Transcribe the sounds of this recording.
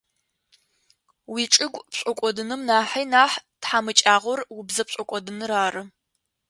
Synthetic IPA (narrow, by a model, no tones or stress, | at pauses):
wiːʈ͡ʂʼɨɡʷpɕʷʼɔkʷʼɔdɨnɨmnaːħijnaːħtħamɨt͡ʃʼaːʁʷɔrwʊbzɐpɕʼɔkʷʼɔdɨnɨraːrɨ